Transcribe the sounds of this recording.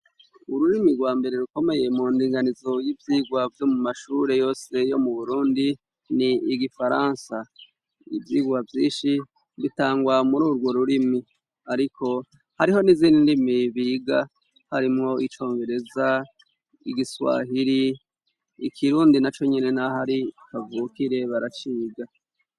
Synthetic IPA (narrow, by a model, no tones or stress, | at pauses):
uɾuɾimiɾɡwaːmbe̞ɾe̞ɾuko̞me̞je̞muːndiːŋɡanizo̞jivjiːɡwavjo̞mumaʃuːɾe̞jo̞ːse̞jo̞muβuɾuːndi | niːɡifaɾaːnsa | ḭvjiːɡwavjiːʃi | βitaːŋɡwamuɾuːɾɡwo̞ɾuɾimi | aɾikʰo̞ | haɾiɦo̞niziːndindimiβiːɡa | haɾimŋo̞ʔit͡ʃo̞ːŋɡe̞ɾe̞za | ḭɡiswa̰ːɦiɾiː | kʰiɾuːndinat͡ʃo̞ɲene̞naɦaɾikavuːkiɾe̞βaɾat͡ʃiːɡa